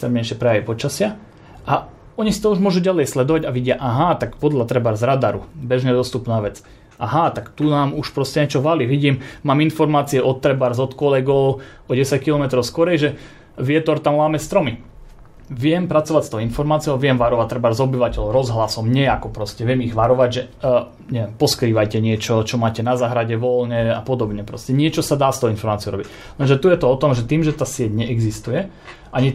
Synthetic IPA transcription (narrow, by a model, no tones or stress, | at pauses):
ɛkst̪ɾɛmɲɛjʃɪɛpɾɛjaʋipɔt͡ʃasɪa | a | ɔɲisi̥t̪ɔuʒmʊɔʒuɟalɛjslɛd̪ɔʋaɟaʋiɟɪaʔaɦat̪akpɔd̪lʎat̪ɾɛbaɾzɾad̪aɾṵbɛʒɲɛd̪ɔst̪upnaːʋɛt͡s | ʔaɦat̪akt̪unaːmuʃpɾɔscɛɲɛt͡ʃɔʋaliʋiɟiːmmaːminfɔɾmaːt͡siɛʔɔt̪ːɾɛbaɾzɔt̪kɔlɛɡɔʊ | ɔɟɛsackilɔmɛt̪ɾɔʊskɔɾɛjʒɛ | ʋɪɛt̪ɔɾt̪amlaːmɛst̪ɾɔmi | ʋɪɛmpɾat͡sɔʋacst̪ɔʊinfɔɾmaːt͡sijɔʋɪɛmʋaɾɔʋac̚t̪ːɾɛbaɾzɔbiʋacɛʎɔɾɔzɦlasɔmɲɛakɔpɾɔscɛʋɪɛmiɣʋaɾɔʋaɟʒɛ | ɲɛʋɛmpɔskɾiːʋajcɛɲɪɛt͡ʃɔt͡ʃɔmaːcɛnazaːɦɾaɟɛʋɔlɲɛapɔd̪ɔbɲɛpɾɔscɛɲɪɛt͡ʃɔsad̪aːst̪ɔʊinfɔɾmaːt͡siɔʊɾɔ̰bic | lɛnʒɛt̪ujɛt̪ɔɔt̪ɔmʒɛt̪iːmʒɛt̪aːsɪɛɟɲɛʔɛɡzist̪ujɛ | ʔaɲi